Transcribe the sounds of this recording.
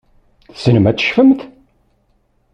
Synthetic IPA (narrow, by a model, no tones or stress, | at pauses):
θsənəmæt͡sːə̥ʃfəmt̪